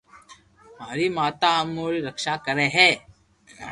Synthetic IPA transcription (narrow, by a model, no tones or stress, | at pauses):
maːɾimaːt̪amoːɾiɾɐkʃakəɾeɦɛ̃ː